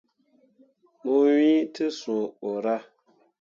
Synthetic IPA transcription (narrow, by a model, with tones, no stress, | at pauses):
mu˦wi˦tɨ˦sũ˨o˨ɾa˦